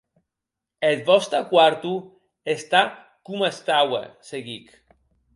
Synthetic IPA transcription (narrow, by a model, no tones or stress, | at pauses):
et̪̚bɔst̪akwaɾt̪u | est̪a | kumest̪awḛseɣik